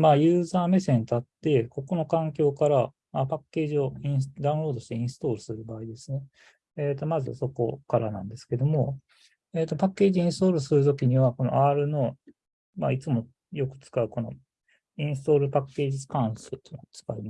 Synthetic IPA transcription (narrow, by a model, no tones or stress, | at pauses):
maːjɯ̟ːzaːmesẽ̞nt̪at̪ːe̞ko̞ko̞no̞kãŋkʲo̞ːkaɾa | apakːe̞ːʑio̞ĩɰ̃sd̪aɯ̃ɾo̞ːd̪o̞ɕi̥t̪e̞ĩsɨ̥t̪o̞ːɾɯ̟sɨɾɯ̟baːid̪e̞sɨne̞ | eːt̪o̞mazɨ̰so̞ko̞kaɾanã̰nd̪e̞sɨ̥ke̞d̪o̞mo̞ | e̞ːt̪ːopakːe̞ːʑiĩsɨ̥t̪o̞ːɾɯ̟sɨɾɯ̟t̪̬o̞kʲiɲ̟iβako̞no̰ʔaːɾɯ̟no̞ | mait͡sɨmo̞ | jo̞kɯ̟̥t͡sɨ̥kaɯ̟ko̞no̞̰ | ĩɰ̃sɨ̥t̪o̞ːɾɯ̟pakːe̞ːʑiskãɰ̃soɯt̪ont͡sɨ̥kaim